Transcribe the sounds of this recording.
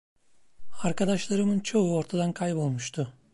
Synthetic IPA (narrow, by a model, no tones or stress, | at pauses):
aɾkad̪aʃlˠaɾɯmɯnt͡ʃʰo̞uo̞ɾt̪ʰad̪ankʰajpo̞lˠmuʃt̪ʰʊ